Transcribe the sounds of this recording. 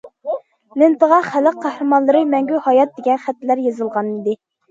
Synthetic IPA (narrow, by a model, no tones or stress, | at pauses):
lɪnt̪əʁɑχæləqʰːɑhɾɨmɑnlˠɨɾɨmɛŋɡʲyhɑjɑt̪̚d̪eɡʲɛnχæt̪ːlæɾjezɨlˠʁɑnid̪ɪ